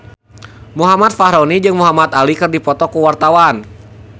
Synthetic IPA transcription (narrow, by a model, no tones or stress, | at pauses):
muɦamat̪̚faɦɾɔnid͡ʒɨŋmuɦamat̪alikɨrdipɔt̪ɔkuwart̪awan